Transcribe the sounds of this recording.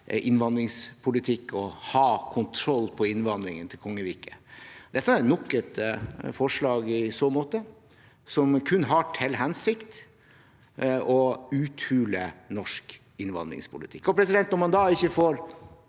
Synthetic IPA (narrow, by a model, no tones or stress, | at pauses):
ʔɪnʋɑnd̪ɾɪŋspʰʊlɪt̪ʰɪkːɔhɑːkʰʊnt̪ʰɾɔlːpʰɔɪnʋɑnd̪ɾɪŋənt̪ʰɪlkʰɔŋːəʋiːkəd̪̥ɛt̪ːəæɾt̪nɔkːət̪fɔʂɭɑːɡɪsoːmoːt̪ə | sɔmkʰʉnːɦɑʈʰɛlɦɛnsɪkt̪ | ɔʉːt̪ʰʉːlənɔʂk | ɪnʋɑ̰nd̪ɾɪ̰ŋspʰʊlɪt̪ʰɪkːɔpʰɾɛs̬ɪd̪ɛnt̪nɔmɑnd̪ɑːɪçːəfoːɾ